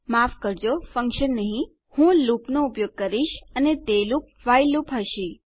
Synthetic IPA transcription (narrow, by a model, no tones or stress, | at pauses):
mafkəɾd͡ʒofəŋkʃənːəɦĩ | hũlupnoupjoɡ̚kəɾiʃənet̪elup̚ | ʋajlːupɦəʃi